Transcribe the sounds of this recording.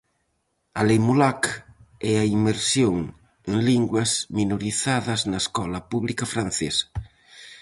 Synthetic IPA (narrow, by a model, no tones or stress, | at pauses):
alejmulakɛaimeɾsjoŋ | eŋliŋɡwazminoɾiθaðɐznaeskɔlapuβlikafɾanθesḁ